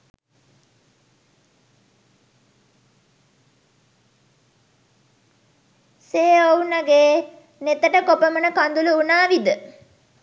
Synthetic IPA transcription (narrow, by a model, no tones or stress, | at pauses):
seːownɐɡeː | net̪əʈəkopəmənəkand̪uluunaːʋid̪ə